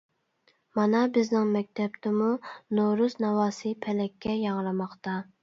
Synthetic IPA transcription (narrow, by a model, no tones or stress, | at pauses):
mɑnɑbɪznɪŋmɛk̚ʲt̪ʰɛp̚t̪ɪmunoɾusnɑwɑːsɨpʰɛlɛkʲːɛjɑŋlˠɑmɑχt̪ɑ